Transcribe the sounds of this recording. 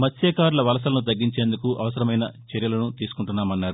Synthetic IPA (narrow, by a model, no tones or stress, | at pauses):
mɐt̪sʰɛːkaːɾulɐʋɐlɐs̬ɐlɐnut̪ɐɡːiɲt͡ʃe̞ːnd̪ukuʔɐʋɐsɐɾɐmɐjnɐ̰t͡ʃɛɾjɐlɐnut̪iːsu̥kuɳʈunːaːmɐnːaːɾu